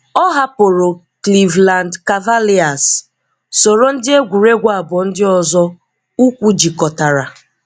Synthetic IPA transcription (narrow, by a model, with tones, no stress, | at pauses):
ɔ˦ɦa˦po˨ɾo˨ | kli˨vla˨ndka˨va˦li˦a˨s | so˨ɾo˦n̩˦dɪ˦e˦ɡʷu˨ɾe˦ɡʷa˨bʊ˨n̩˦dɪ˦ɔ˨zɔ˦ | u˦kʷu˦d͡ʒi˨kɔ˨ta˨ɾa˨